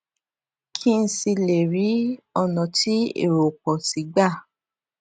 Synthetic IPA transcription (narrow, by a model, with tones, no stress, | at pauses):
kʰi˦n̩˧si˧le˨ɾi˨˦ɔ˧nɔ̃˨ti˦ḛ˦˨ɾo˨k͡pɔ˨si˨˦ɡ͡ba˦˨